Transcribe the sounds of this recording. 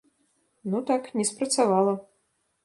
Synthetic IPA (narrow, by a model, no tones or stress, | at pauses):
nut̪aknʲɛspɾɐt̪savalˠɐ